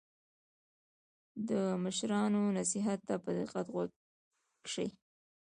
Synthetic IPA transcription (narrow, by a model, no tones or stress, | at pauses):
d̪əməʃɾɑnonasiɦat̪ːapəd̪ɪqat̪ɣa | kʂəj